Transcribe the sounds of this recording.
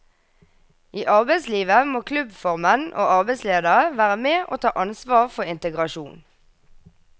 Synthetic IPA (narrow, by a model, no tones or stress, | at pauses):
iːʔɑʁbɛɪsliːʋəmoːkʰlʉbfɔʁmənʔo̰ːʔɑʁbɛɪsleːd̪əʁəʋæːʁəmeːʔo̰ːt̪ʰɑːʔɑnsʋɑːʁfɔʁɪnt̪əɡʁɑʃuːn